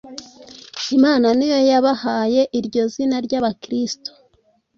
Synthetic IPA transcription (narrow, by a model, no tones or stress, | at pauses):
imaːnanijo̞jaβahaːje̞ʔiɾɟo̞zinaɾɟaːβakɾisto̥